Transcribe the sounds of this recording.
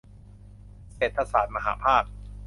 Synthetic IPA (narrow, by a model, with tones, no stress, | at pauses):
seː˨˩t̪̚ʰːa˧saː˩˦t̪̚ma˧ɦa̰ː˩˦pʰaː˥˩k̚